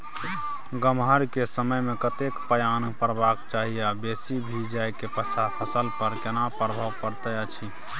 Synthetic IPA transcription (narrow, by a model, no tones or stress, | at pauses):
ɡəmɦəɾkesəməjmekət̪ekpəjanpəɾbakt͡ʃaɦijabesibʱid͡ʒajkepət͡ʃʰapʰəsəlpəɾkenapɾbʱaʋpəɾt̪əat͡ʃʰi